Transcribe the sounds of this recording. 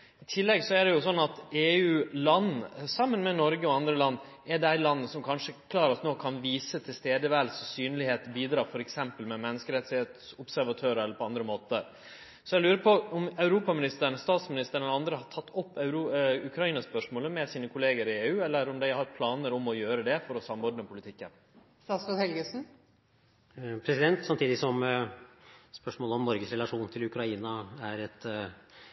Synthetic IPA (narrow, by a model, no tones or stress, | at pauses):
ɪt̪ʰɪlːɛɡsɔæɖɛjʊsɔnːɑt̪eːʉːlɑnːsɑmːənmɛnɔɾɡəɔɑnd̪ɾəlɑnː | ɛɖæɪlɑnːəsɔmkʰɑnʂəkʰlɑːɾɔsnoːkʰɑnʋiːsət̪ʰɪlst̪eːd̪əʋæːlsɔsyːnlɪheːt̪biːd̪ɾɑːfɔɾɛksɛmpəlmɛmɛnːəskəɾɛt̪sɪet̪sʊbsæɾʋɑt̪ʰøːɾəɛlːəɾpʰɔɑnd̪ɾəmoːt̪əɾ | sɔjɛlʉːɾəpʰɔɔmɑʉɾuːpɑmɪnɪst̪əɳəst̪ɑːt̪smɪnɪst̪əɳɛləɑnd̪ɾəhɑt̪ʰɑt̪ːɔpːʉɾuʉkʰɾɑiːnɑspœʂmoːləmɛsiːnəkʰʊleːɡəɾɪeːʉːɛlːəɾɔmd̪æɪhɑɾpʰlɑːnəɾɔmɔjøːɾəd̪ɛfɔɾɔsɑmɔɾd̪nəpʰʊlɪt̪ʰɪkːə̰n | st̪ɑːsfət̪hɛlɡəsn̩ | pʰɾɛsɪd̪ɛnt̪sɑmt̪ʰiːd̪ɪsɔm | spœʂmoːləɔmnɔɾɡəsɾɛlɑʂuːnt̪ʰɪlʉkɾɑiːnɑæɾɛt̪